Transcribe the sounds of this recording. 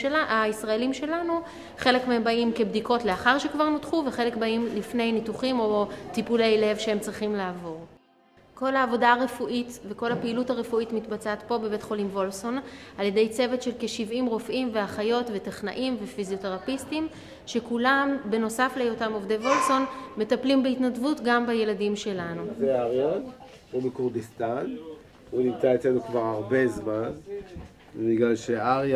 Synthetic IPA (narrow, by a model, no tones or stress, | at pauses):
aaisʁae̞limʃe̞lanu | χe̞le̞kmehembaimke̞bdiko̞tleaχaʁʃekvaʁnotχuve̞χe̞le̞kbaimlifne̞jnituχimo̞tipule̞jle̞vʃehemt͡sʁiχimlaːvo̞ʁ | ko̞laːvo̞daaʁe̞fuʔitveko̞lhapeilutaʁe̞fuitmitbat͡saatpo̞be̞be̞tχo̞limvo̞lso̞nalje̞de̞jt͡se̞vetʃe̞lkeʃivimʁo̞fʔimve̞aχajo̞tve̞teχna̰ʔimve̞fizio̞teʁapistim | ʃe̞kulambe̞no̞saflejotamovdevo̞lso̞nme̞taplimbeitnadvutɡambaje̞ladimʃe̞lanuzeaʁjon | ubekuʁdist̪an | unimt͡saet͡slenukvaʁaʁbe̞zman | biɡlalʃeaʁja